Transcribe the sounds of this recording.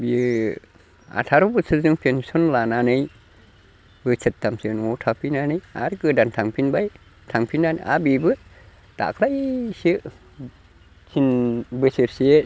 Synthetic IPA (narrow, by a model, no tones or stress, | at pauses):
bi | a̰tʰaɾubɯsʰɯzɯŋpʰensɔnlananɯj | bɯt͡ʃʰɯt̚ːamsɯnɔtʰapʰinanɯja̰ɾkɯdantʰaŋpʰinbaj | tʰaŋpʰinanʔa̰bibɯ | ta̰kʰlajsɯʔ | kʰinbɯsiɾsie